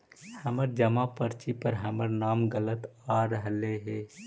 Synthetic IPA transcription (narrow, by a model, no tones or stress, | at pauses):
həməɾd͡ʒəmapəɾt͡ʃipəɾɦɐməɾnaːmɡələt̪aɾəɦleɦeː